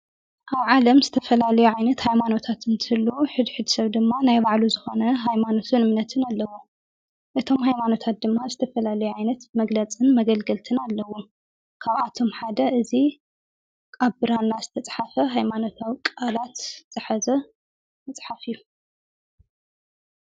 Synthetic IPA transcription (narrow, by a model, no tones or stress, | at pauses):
ʔaβʕalɐmzɨt̪ʰɐfɐlalɐjuʕajnɐt̪hajmano̞t̪ʰat̪ɨnt̪ʰɨɨlːuħɨd̪ħɨd̪sɐβd̪ɨmːanajbaʕluzɨxo̞nɐɦajmano̞t̪ʰunɨmnɐt̪ʰɨnalːɐwo | ʔɨt̪ʰo̞mhajmano̞t̪ʰat̪̚d̪ɨmːazɨt̪ʰɐfɐlalɐjuʕajnɐt̪mɐɡlɐt͡sʼɨnmɐɡɐlɡɐlt̪ʰɨnalːɐwo | kʰaβat̪ʰo̞mħad̪ɐʔɨzi | kʼaβbɨɾanːazɨt̪ʰɐt͡sʼħafɐɦajmano̞t̪ʰawkʼalat̪z̥ɨħazɐ | mɐt͡sʼħafijːu